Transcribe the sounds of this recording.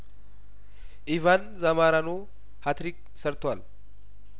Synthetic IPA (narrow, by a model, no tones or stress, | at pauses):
ʔɪvɐnzɐmaːɾɐnoː | hɐt̪ɾik̚ | sɐɾt̪ʊal